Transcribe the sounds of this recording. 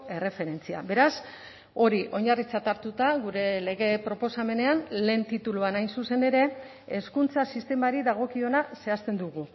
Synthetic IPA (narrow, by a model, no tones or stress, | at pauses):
e̞re̞fe̞ɾe̞nt͡sia̰be̞ɾas | o̞ɾiʔo̞ɲarit͡sat̪aɾt̪ut̪aɣuɾe̞le̞ɣe̞pɾo̞po̞same̞ne̞anle̞ːnt̪it̪uluanajnsuse̞ne̞ɾe̞ː | skunt͡sasist̪e̞maɾiðaɣ̞o̞kio̞nase̞ast̪e̞nd̪uɣu